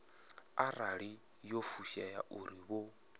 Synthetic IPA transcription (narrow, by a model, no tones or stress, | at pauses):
aɾaɺi | jofuʃajaʔuɾiβo